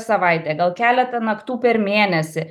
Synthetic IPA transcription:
sɐʋɐɪt̪ʲeːɡɐlˠkʲæːlʲɛt̪ɐnɐkt̪uːpʲɛɾmʲeːnʲɛsʲɪ

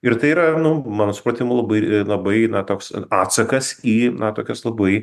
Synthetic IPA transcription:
ɪɾt̪ɐɪiːɾɐnʊmɑːnoːsʊ̥pɾɐt̪ʲɪmʊlˠɐbɐɪlˠɐbɐɪnɐt̪oːksɑːt̪sɐkɐsiːnɐt̪oːkʲɛslˠɐbɐɪ

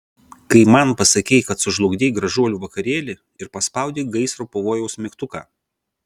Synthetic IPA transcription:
kɐɪmɐnpɐsɐkʲɛɪkɐt̪sʊʒlˠʊɡd̪ʲeːɪɡɾɐʒuɔlʲuːʋɐkɐɾʲeːlʲɪ | ɪɾpɐspɐˑʊd̪ʲeːɡɐɪsɾoːpoːʋoːjɛʊsmʲɪkt̪ʊkɑ̰ː

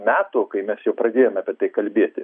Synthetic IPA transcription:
mʲæːt̪uːkɐɪmʲɛsjɛʊpɾɐd̪ʲeːjomɑːpʲɛt̪ɐɪkɐlʲbʲeɛt̪ʲɪ

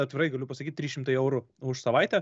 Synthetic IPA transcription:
ɐt̪ʲʋʲɪrɐɪɡɐlʲʊpɐsɐkʲit̚ʲɾʲiːʃʲɪmt̪ɐɪɛʊɾʊʊʃsɐʋɑɪt̪ʲɛ

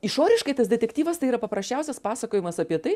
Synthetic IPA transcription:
ɪʃoːɾʲɪʃkɐɪt̪ɐsd̪ʲɛt̪ʲɛkt̪ʲiːʋɐst̪ɐɪiːɾɐpɐpɾɐsʲt͡ʃʲɛʊsʲɛspɑːsɐkoːjɪmɐsɐpʲiɛt̪ɐɪ

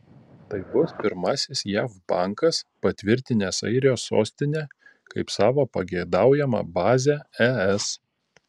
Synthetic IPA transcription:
t̪ɐɪbʊspʲɪɾmɑːsʲɪsjæːfbɑˑŋkɐspɐt̪ʲʋʲɪɾʲt̪ʲɪnʲɛsɐ̰ɪɾʲɪjoːsːo̰ːsʲt̪ʲɪnʲe | kɐɪpsɑːʋoːpɐɡʲɛɪd̪ɑˑʊjɛmɐ̰bɑːzʲɛɛɛs

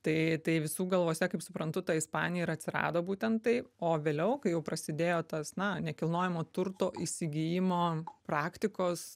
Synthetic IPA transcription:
t̪ɐɪt̪ɐɪʋʲɪsuːɡɐlˠʋoːsʲɛkɐɪpsʊpɾɐnt̪ʊt̪ɐɪspɑ̰ːnʲɪjɛɪɾɐtʲsʲɪɾɑ̰ːd̪oːbuːt̪ʲɛnt̪t̪ɐɪoːʋʲeːlʲɛʊkɐɪjɛʊpɾɐsʲɪd̪ʲeːjoːt̪ɐsnɐnʲɛkʲɪlˠnoːjɛmoːt̪ʊrt̪oːʔɪsʲɪɡʲɪjɪmoːpɾɑːkt̪ʲɪkoːs

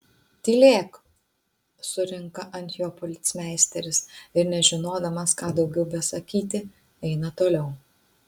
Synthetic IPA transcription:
t̪ʲiːlʲeːk | sʊɾʲɪŋkɐʔɐnʲt̪ʲjoːpɔlʲɪt̪ʲsʲmʲæˑɪsʲt̪ʲɛɾʲɪsɪɾnʲɛʒʲɪnoːd̪ɐmɐskɑːd̪ɒʊɡʲɛʊbʲɛsɐkʲiːt̪ʲɪ | ɛɪnɐt̪oːlʲɛʊ

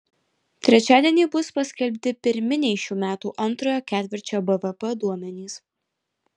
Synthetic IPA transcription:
t̪ʲɾʲɛt͡ʃʲæːd̪ʲiɛnʲiːbʊspɐsʲkʲɛlʲpʲt̪ʲɪpʲɪɾʲmʲɪnʲɛɪʃʲuːmʲæːt̪uːʔɐnˑt̪ɾoːjoːkʲæːt̪ʲʋʲɪɾʲt͡ʃʲobɛʋɛpɛd̪uɔmʲɛnʲiːs

